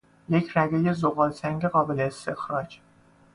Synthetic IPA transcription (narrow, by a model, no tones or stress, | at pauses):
jecʰɾæɡeje̞zoɣɒːlsæŋɟe̞ɣɒːbe̞leːst̪ʰe̞xɾɒːd͡ʒ